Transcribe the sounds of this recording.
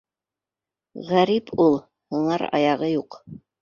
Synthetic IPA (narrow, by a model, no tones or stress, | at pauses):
ʁæɾipʰulˠ | huɴɑɾɑ̰jɑʁɤjuq